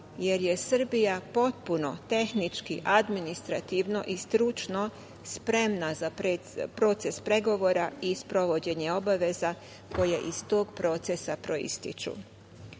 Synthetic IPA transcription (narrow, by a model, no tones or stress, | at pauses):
je̞ɾjesɨr̩bijapo̞t̪̚puno̞t̪e̞xnit͡ʃkiʔad̪minist̪ɾat̪iʋno̞ʔist̪ɾut͡ʃno̞ | spɾe̞mnazap | pɾo̞t̪se̞spɾe̞ɡo̞ʋo̞ːɾaispɾo̞ʋo̞d͡ʑe̞ɲe̞o̞baʋe̞za | ko̞jeʔist̪o̞ːɡpɾo̞t̪sesapɾo̞ḭst̪ḭt͡ʃṵ